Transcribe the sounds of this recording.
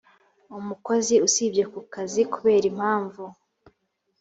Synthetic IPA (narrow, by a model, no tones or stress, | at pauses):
umuko̞ziusibɟekukazikuβe̞ːɾim̥haːɱvu